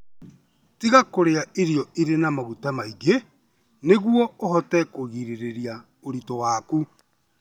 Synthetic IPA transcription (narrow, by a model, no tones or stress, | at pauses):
tiɣakoɾeaʔeɾjɔiɾenamaɣutamaiɡe | neɣwɔohɔtɛkoɣiɾeɾeɾia | oɾitɔwaːku